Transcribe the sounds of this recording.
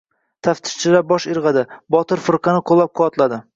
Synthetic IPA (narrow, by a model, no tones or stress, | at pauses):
t̪ʰaft̪ʰɪ̥ʃt͡ʃʰɪlabɒʃɪɾʁɑd̪ɪbɒt̪ɪɾfɪɾqʰɑnɪqʰolˠːap̚qʰʊvɒt̪lad̪ɪ